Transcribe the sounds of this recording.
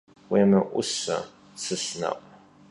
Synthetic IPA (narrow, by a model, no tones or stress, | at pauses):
weːmɐʔʷʊsɐ̰ | sɨsnɐ̰q